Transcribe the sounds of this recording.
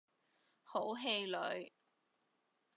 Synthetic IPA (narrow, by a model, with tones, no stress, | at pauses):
ho˨˥wɦe˧jlɵ˨˧ɥ